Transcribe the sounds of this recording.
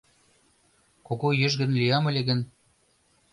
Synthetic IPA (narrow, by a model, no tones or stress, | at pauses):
koɣojə̆ʒɣə̆nlijɑmə̆lʲeɣə̆n